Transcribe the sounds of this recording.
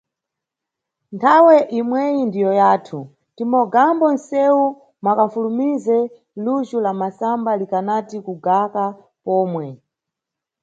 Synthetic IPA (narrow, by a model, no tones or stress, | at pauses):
ntʰawɛʔimwɛjindijɔjaːtʰu | timɔɡambɔn̩sɛu | makaɱfulumizɛ | luʒulamasambalikanatikuɡaka | pɔːmwɛ